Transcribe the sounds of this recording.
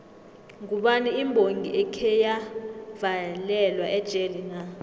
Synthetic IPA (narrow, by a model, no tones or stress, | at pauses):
ŋuɓaniimbʱoŋʱiʔɛkʰɛjavalɛlwaʔɛd̥ʒ̥ʱelina